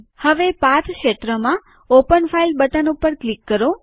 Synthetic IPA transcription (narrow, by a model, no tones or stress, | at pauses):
həʋepãt̪ʰkʃet̪ɾəmã | opənfailbət̪ənupəɾklikːəɾo